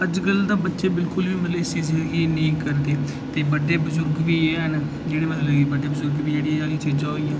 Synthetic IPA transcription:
əd͡ʒɡəld̪ãːbətːʃeːbɪlkʊlʋiːməleːsiːzɪd̪ɡiːnəĩːkəɾd̪eː | t̪eːbəɖeːbʊzʊɾɡʋiːeːɦən | d͡ʒeːɽeːmɛ̃əloɡibəɖeːbəzʊɾɡʋiːd͡ʒeːɽiãd͡ʒaːliːt͡ʃʰed͡ʒaːiːãː

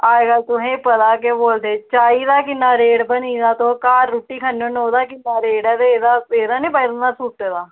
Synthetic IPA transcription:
aːeːɡaːt̪ʊɦẽːpət̪aːkeboːld̪eːt͡ʃaːiːd̪aːkɪnːaːɾeːɽbəniːd̪aːt̪õːkaːɾːuːʈːiːkʰənõːnoːd̪aːkɪnːaːɾeːɽɛːd̪eeːd̪aːeːd̪aːnĩːbaiɾnaːsuːʈːeːd̪aː

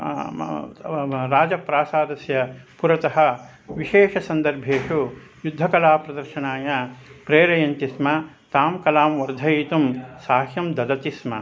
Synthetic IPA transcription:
ɾaːd͡ʒɐpɾaːsaːd̪ɐsjɐpuɾɐt̪ɐɦɐ̆ | ʋiʃeːʂɐsɐnd̪ɐɾbʱeːʂu | jud̪ʱːɐkɐlaːpɾɐd̪ɐɾʃɐɳaːjɐpɾeːɾɐjɐnt̪ismɐ | t̪aːmkɐlaːmʋɐɾd̪ʱɐjit̪umsaːkʰjɐmd̪ɐd̪ɐt̪ismɐ

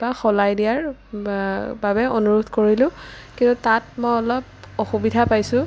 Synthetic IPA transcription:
baxɔlajdijaɹ | babɛonuɹudʱkoɹilʊ̃ | kĩntutat̚mɔjɔlɔp̚ | ɔxubidʱapajsʊ̃

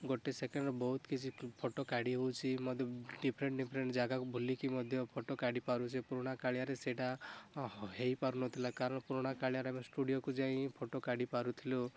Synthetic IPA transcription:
ɡoʈesekeɳɖɔbɔɦut̪kit͡ʃʰipʰoʈokaɽiɦowt͡ʃʰimɔd̪ʱjɔɖipʰɾeɳʈɖipʰɾeɳʈd͡ʒaɡakubʱulikimɔd̪ʱjɔpʰoʈokaɽipaɾut͡ʃʰepuɾoɽ̃akaɭjaɾeseʈa | ɦejpaɾunɔt̪ʰilakaɾɔɽ̃puɾɔɽ̃akaɭijaɾamesʈuɽijokud͡ʒaĩpʰoʈokaɽipaɾut̪ʰilo

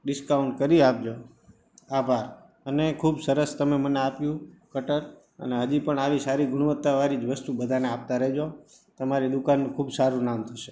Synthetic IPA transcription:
ɖɪskauɳʈ̚kəɾiap̚d͡ʒo | abʱaɾ | ənekʰubsəɾəst̪əmeməneapjũkəʈəɾ | ə̰neɦəd͡ʒipəɳaʋisaɾiɡʱʊɽ̃ʋət̪ːaʋaɾid͡ʒʋəst̪ubəd̪ʱaneap̚t̪aɾəɦd͡ʒo | t̪əmaɾid̪ukanːũkʰubsaɾũnamt̪ʰəʃe̥

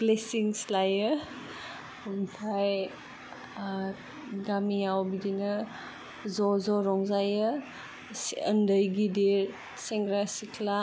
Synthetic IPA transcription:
blesiŋslajɯ | mtʰaj | ɡamijawbidinɯ | zɔzɔɾɔŋzajɯ | səndəjɡidiɾ | seŋɡɾasikʰla

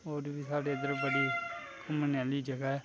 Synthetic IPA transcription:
oːɾʋiːsaːɖeːəd̪əɾbəɽiː | kʰʊmnaliːd͡ʒəɡaːɦɛː

